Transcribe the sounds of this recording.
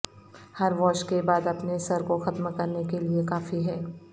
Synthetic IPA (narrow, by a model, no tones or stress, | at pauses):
hɐɾʋɔːʃkebaːd̪ɐpnesɐɾkoxɐt̪mkɐɾnekeliekaːfiɦɛː